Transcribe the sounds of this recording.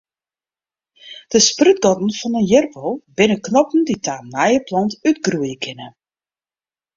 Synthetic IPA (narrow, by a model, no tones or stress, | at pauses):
d̥əspryt̚ɡɔtn̩fɔnənjɪrpolˠbɪnəknɔpn̩ditʰaːnɛjəplɑntytɡruəjəkʰɪnə